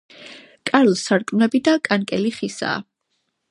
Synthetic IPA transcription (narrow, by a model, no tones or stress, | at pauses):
kʼaɾlˠsaɾkʼmnɛbid̪akʼankʼɛliχisa̰ː